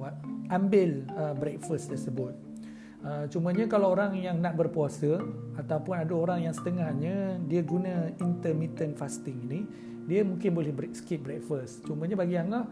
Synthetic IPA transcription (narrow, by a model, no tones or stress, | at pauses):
at̪̚ambɪləbɾɛk̚fəst̪ərsəbʊt̪̚ | ət͡ʃuməɲəkalawoɾaŋjaŋnaʔ̚bərpuasəat̪aupʊnadaoɾaŋjaŋsə̥t̪əŋahɲə̃diəɡunə̃int̪ərmit̪ənfast̪ɪŋini | diəmũŋkɪnbolɛhbɾɛksə̥kit̪̚bɾɛk̚fəst͡ʃuməɲabaɡiaŋa